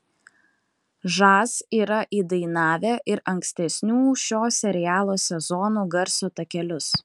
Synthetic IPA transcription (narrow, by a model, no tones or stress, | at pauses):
ʒɑːsiːɾɐʔiːd̪ɐɪnɑːʋʲæːʔɪɾɐŋksʲt̪ʲɛsʲnʲuːʃʲoːsʲɛɾʲɪjæːlˠoːsʲɛzɔnuːɡɐɾsoːt̪ɐkʲɛlʲʊs